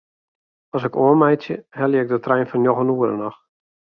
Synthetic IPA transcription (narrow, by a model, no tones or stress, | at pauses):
ɔs̬ɪkoənmɛjtsjə̰hɛlˠjəɪɡ̚dətrɛjnfɔnjoɣənuəɾə̰nɔx